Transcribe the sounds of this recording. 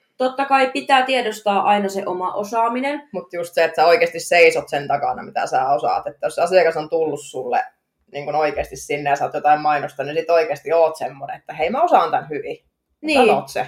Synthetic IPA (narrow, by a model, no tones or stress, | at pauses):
t̪ot̪ːɑkɑipit̪æːt̪iedost̪ɑːʔɑinɑseʔomɑʔosɑːminenmut̪just̪seet̪sæːoikeːst̪isseisot̪sent̪ɑkɑ̰nɑ̰mit̪æ̰sæːosɑ̰ˑt̪et̪ːæjosɑsiɑkɑsont̪ulːussulːḛ | niːŋkunoikeːst̪issinːejɑsoːt̪jot̪ɑimmɑinost̪ɑnisit̪oikeːst̪ioːt̪semːonḛet̪ːæheimæosɑˑnt̪ænhyʋi | mniæːo̰ːt̪se